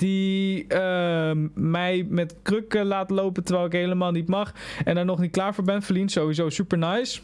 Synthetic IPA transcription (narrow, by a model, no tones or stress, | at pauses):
d̥iə | mɛjmɛtkrøkəlaːtlowpəntəɹʋɛjlˠɪkɦejləmaːlˠnitmɑχɛndaːɹnɔχnit̚klaːɹvʊːɹbɛnfəɹlintsowʋizowsypəɹnajs